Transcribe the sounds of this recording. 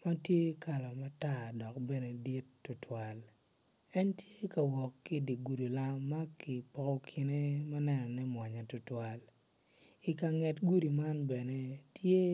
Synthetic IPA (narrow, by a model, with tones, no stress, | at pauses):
ma˦tje˦kʰa˨la˨ma˦ta˦˨dɔ˨kbɛ˦ne˨di˦tːʊ˨twa˦l | ɛ˦ntje˦ka˨wɔ˨kːi˦di˨ɡu˨ɾi˨la˦mːa˦ki˨pɔ˨kɔ˦kʰi˨ne˦ma˦nɛ˦nɔ˨nɛ˦mwa˨ɲa˨tʊ˦twa˦l | i˨ka˨ŋɛ˨tɡu˦di˨ma˦nbɛ˨ne˦tje˦